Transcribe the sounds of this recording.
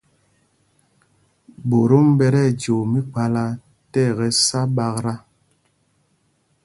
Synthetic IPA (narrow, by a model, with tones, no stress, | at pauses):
bo˨ɾo˦m˦bɛ˦ɾɛ˦˨d͡ʒo˨mi˦k͡pa˦la˦ | tɛ˦˨ɣɛ˨sa˦ɓa˦kɾa˦